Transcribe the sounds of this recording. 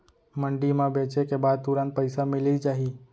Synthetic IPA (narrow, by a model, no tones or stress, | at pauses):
məɳɖimãbet͡ʃekebad̪̚t̪uɾãnt̪̚pəjsamɪlid͡ʒd͡ʒaɦi